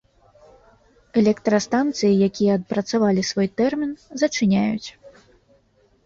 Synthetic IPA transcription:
ɛlʲɛkt̪ɾɐst̪ant̪sɨjijakʲijɛːt̪̚pɾɐt̪savalʲisvɔjt̪ɛrmʲinzɐt͡ʂɨnʲajut͡sʲ

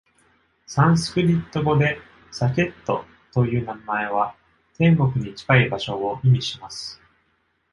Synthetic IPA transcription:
sãɰ̃sɨ̥kɯ̟ɾʲit̪ːo̞ɡo̞d̪e̞ | sakʲe̞t̪ːo̞ | t̪o̞jɯ̟ːnamae̞β̞a | t̪ẽ̞ŋɡo̞kɯ̟ɲ̟it͡ɕi̥kaibaɕo̞oimʲiɕimasɨ̥

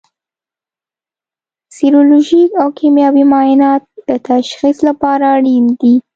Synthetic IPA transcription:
siɾoloʒikawkimjɑbimɑjɪnɑt̪̚d̪̥ət̪aʃxislapɑɾaːɽind̪i

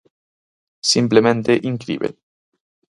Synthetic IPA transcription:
simplemẽnt̪eʔiŋkɾḭːβḛ

